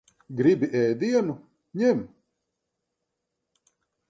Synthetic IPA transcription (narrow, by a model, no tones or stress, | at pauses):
ɡɾibʲiʔɛjd̪iɛnu | ɲɛm